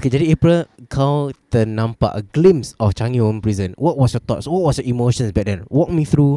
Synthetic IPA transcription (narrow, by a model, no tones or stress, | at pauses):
okedɛɾiepɹəlkʰaldənãmpa̰ʔəɡlĩmsɔft͡ʃãŋiɔ̃mpɹizə̃nwɔt̚wɔsjɔt̪ɔ̰tswɔt̚wɔsjɔimoʃə̃nsbɛdɛ̃nwɔk̚miθɹu